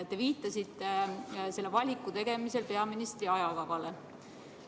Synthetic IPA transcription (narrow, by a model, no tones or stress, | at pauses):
t̪ːeviːt̪ːˑɑsit̪ːe̞se̞lːevɑlʲikːˑut̪e̞ɡ̥e̞mise̞lpe̞ɑminist̪riɑjɑkɑvɑle